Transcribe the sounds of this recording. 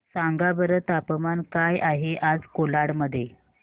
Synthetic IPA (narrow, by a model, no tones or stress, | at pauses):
saŋɡabəɾət̪apəmankajʔaɦeʔad͡zkolaɽməd̪ʱːje